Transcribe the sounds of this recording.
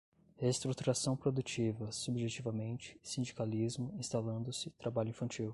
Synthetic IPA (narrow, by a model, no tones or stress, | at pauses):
hest̪ɾut̪uɾasɐ̃w̃pɾod̪ut͡ʃivɐsubʒet͡ʃivɐmẽnt͡ʃɪ̥sĩd͡ʒikalizmʊĩst̪alɐ̃nd̪ʊsɪt̪ɾabaʎʊĩfɐ̃t͡ʃiw